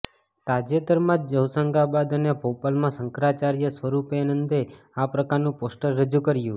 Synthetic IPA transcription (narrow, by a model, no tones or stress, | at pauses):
t̪ad͡ʒet̪əɾmãd͡ʒd͡ʒəwsəŋɡabad̪ənepopalmãsəŋkɾat͡ʃaɾjəsʋəɾupeanənd̪e | apɾəkaɾnũposʈəɾːəd͡ʒukəɾjũ